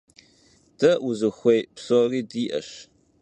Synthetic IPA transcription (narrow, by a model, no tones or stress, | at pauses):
d̥ɐʔʊzɨxʷejpsoːriːdiːʔɐ̰ɕ